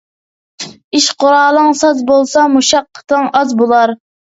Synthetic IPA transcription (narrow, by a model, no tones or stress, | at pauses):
iʃqoɾɑːlˠəŋsɑzbolˠsɑmuʃɑqːə̥t̪ʰəŋɑzbolˠɑɾ